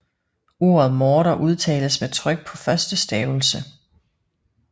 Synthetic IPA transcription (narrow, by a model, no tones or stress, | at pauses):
o̝ːɐð̞̩ˠmɔːɾɐʔuð̞ˠt͡sʰɛ̰ːləsmet͡sʰʁœɡ̥̚pʰɒ̽fɶɐsd̥əsd̥ɛːʊl̩sə